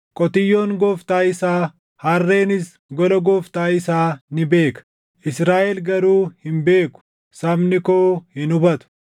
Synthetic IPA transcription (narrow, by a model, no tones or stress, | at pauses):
kʼɔt̪ɪjːo̞ːŋɡɔːft̪aːɪsaː | harːe̞ːnɪs | ɡɔlɐɡɔːft̪aːɪsaːnɪbe̞ːkɐ̥ | ʔɪsɾaːʔɛlɡɐɾuːhɪmbe̞ːkʊ̥ | sɐmnɪkoːhɪnʊbɐt̪ʊ̥